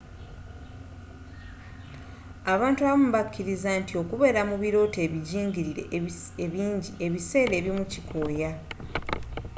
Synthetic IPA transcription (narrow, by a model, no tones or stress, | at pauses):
aβaːntuaβom̩βakʰːiɾizantio̞kuβe̞ːɾamuβiɾo̞ːte̞ːβiɟiːɲɟiɾiɾe̞̰eβiːɲɟieβise̞ːɾe̞ːβjomucikʰo̞ːja